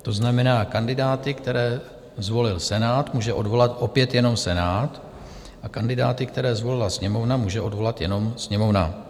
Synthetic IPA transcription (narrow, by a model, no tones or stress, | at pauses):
t̪o̞znamɛnaːkandɪdaːt̪ɪkt̪ɛɾɛː | zvo̞lɪlsɛnaːt̪muːʒɛʔo̞dvo̞lat̪ʔo̞pjɛt̪jɛno̞msɛnaːt̪ | ʔakandɪdaːt̪ɪkt̪ɛɾɛːzvo̞lɪlasɲɛmo̞vnamuːʒɛʔo̞dvo̞lat̪jɛno̞msɲɛmo̞vna̰